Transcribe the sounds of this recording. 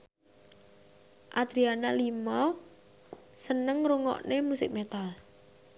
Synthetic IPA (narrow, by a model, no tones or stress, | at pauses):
ʔad̪̥ɾianalimɔ | sənəŋruŋɔ̰ʔnemusɪk̚met̪al